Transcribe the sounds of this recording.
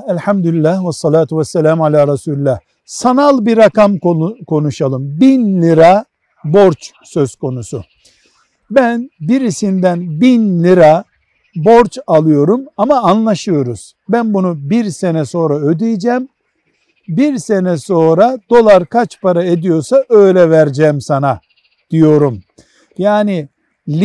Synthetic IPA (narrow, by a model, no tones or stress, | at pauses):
ɛlʲħamd̪ulilʲːæhwasːɑlaːt̪ʰuwɛsːɛlʲaːmalʲaːɾɑsuːlilːæh | sanalˠbiɾakamkokʰo̞nuʃalˠɯmbinlʲiɾa | bo̞ɾt͡ʃ | sø̞z̥kʰo̞nusu | bænbiɾisind̪ænbinlʲiɾa | bo̞ɾt͡ʃalˠɯjo̞ɾumamaːnlˠaʃɯjo̞ɾuz̥ | bænbunubiɾse̞nɛso̞ːɾaød̪ijd͡ʒɛːm | biɾse̞nɛso̞ːɾad̪̥o̞lˠaɾkʰat͡ʃpaɾaed̪ijo̞ɾsaʔø̞jlʲɛvæɾd͡ʒɛːmsana | d̪̥ijo̞ɾum | jaːni | lʲ